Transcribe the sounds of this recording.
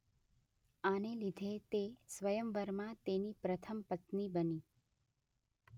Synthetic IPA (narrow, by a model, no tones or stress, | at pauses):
anelid̪ʱet̪esʋəjəmʋəɾmãt̪enipɾət̪ʰəmpət̪nibəni